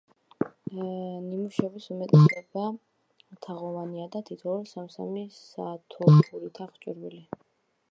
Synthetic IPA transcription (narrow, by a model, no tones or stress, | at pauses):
nimuʃɛbisumɛt̪ʼɛsɛba | t̪ʰaʁɔvaniad̪at̪ʰit̪ʰɔɾsamsa̰misat̪ʰɔuɾit̪ʰaχt͡ʃʼḭɾwili